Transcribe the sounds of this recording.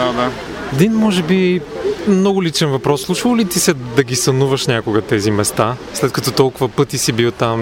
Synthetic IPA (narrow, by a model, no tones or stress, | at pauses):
ad̪a | ɛd̪inmɔʒɛbi | mnɔɡʊlit͡ʃɛnvɐpɾɔsːlˠut͡ʃilˠlit̪isɛd̪ɐɡisɐnuvɐʃnʲakʊɡət̪ɛzimɛst̪aslɛt̪kɐt̪ɔt̪ɔlˠkʊvɐpɤt̪isibit̪am